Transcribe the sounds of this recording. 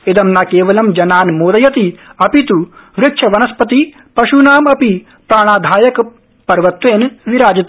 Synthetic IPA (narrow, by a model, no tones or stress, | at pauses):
ed̪ɐmnaːkeːʋɐlɐmd͡ʒɐnaːnmoːd̪ɐjɐt̪iɐpit̪uʋɾɪkʂʰɐʋɐnɐspɐt̪i | pɐʃunaːmɐpi | pɾaːɽ̃aːd̪ʱaːjɐk | pɐɾʋɐt̪ʋeːnʋiɾaːd͡ʒɐt̪